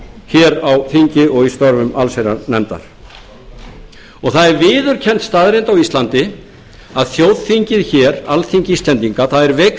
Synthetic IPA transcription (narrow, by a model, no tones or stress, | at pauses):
çɛːɾawθiɲcɪɔɣist̪ɔɾvʏma̰lsejɾa̰nɛmt̪a̰ɾ̥ | ɔɣθaðɛɾvɪːðʏɾ̥cʰɛn̥t̪st̪aːðɾent̪awist̪lant̪ɪ | aðθjoːwðθiɲcɪðçɛːɾa̰lθiɲcist̪ɛnt̪iŋkaθaðɛɾvɛk